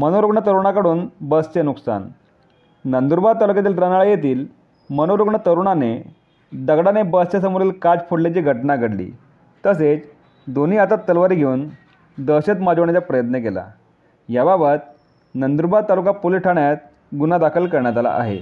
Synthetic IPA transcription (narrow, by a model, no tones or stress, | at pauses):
mənoɾuɡɳət̪əɾuɳakəɽuːnbəst͡ɕenuksa̰nː | ənd̪uɾbat̪alukjat̪̬iːlɾanaɭəjet̪iːl | mənoɾuɡɳət̪əɾuɳane | d̪əɡɽanebəst͡ɕjasəmuɾiːlkad͡zpʰoɽlet͡ɕiːɡʱəʈnaɡʱəɽlḭː | t̪əs̬et͡s | d̪on̤iːat̪at̪ːəlʋaɾiːɡʱeuːn | d̪əɕet̪mad͡zəʋɳjat͡ɕapɾəjət̪nəkela̰ | jababət̪̚ | nənd̪uɾbat̪alukapoliʈʰaɳjat̪̚ | ɡunad̪akʰəlkəɾɳjat̪̬ala̰ʔa̰ɦḛ